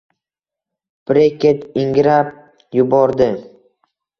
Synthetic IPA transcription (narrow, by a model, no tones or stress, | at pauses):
b̥ɾekʲet̪ɪŋɡɾap̚ | jʊbɒɾd̪ɪ